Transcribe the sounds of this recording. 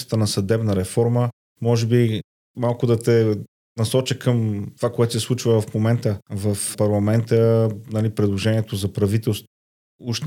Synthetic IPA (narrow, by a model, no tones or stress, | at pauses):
st̪ənɐsɐd̪ɛbnəɾɛfɔɾmə | mɔʒɛbi | malˠkʊd̪ɐt̪ɛ | nɐsɔt͡ʃəkəmt̪ovakoɛt̪o̥sɛslˠut͡ʃvəvɐfmomɛnt̪əvɐfpɐɾlˠɐmɛnt̪ənɐlipɾɛd̪lˠoʒɛniɛt̪ozɐpɾɐvit̪ɛlˠst̪ | uʃt̪